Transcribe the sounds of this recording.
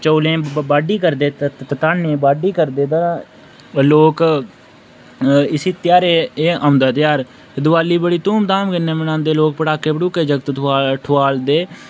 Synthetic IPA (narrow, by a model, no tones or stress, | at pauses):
t͡ʃəːlẽːbaːɖiːkəɾd̪eːt̪t̪aːnẽːbaːɖiːkəɾd̪eːd̪aː | loːk | ɪsiːt̪jaːɾeːeːãːʊ̃nd̪aːt̪ɪjaːɾ | d̪ʊʋaːliːbəɽiːt̪uːmd̪aːmkənẽːmnãːnd̪eːloːk̚pəʈaːkeːbəɽuːkeːd͡ʒəkt̪ʰaːʈʰʊaːld̪eː